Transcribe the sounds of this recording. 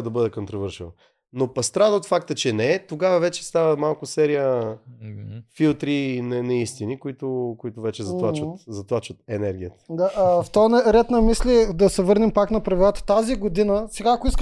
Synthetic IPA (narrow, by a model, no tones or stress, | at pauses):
d̪ɐbɤd̪ɛkont̪ɾovɤɾʃin | nopɐst̪ɾad̪əot̪fakt̪ət͡ʃɛnɛɛt̪oɡavɐvɛt͡ʃɛ̥st̪avəmalˠkʊsɛɾijə | filˠt̪ɾinɛnɐist̪inikoit̪ʊkoit̪ʊvɛt͡ʃɛzɐt̪lˠat͡ʃvət̪zɐt̪lˠat͡ʃvət̪̚ɛnɛɾɡʲijət̪ə̥d̪aft̪ɔnɐɾɛt̪nɐmislʲid̪ɐsɛvɤɾnɛmpaknɐpɾɐvilˠat̪ə̥t̪aziɡod̪inəsɛɡaːkʊisk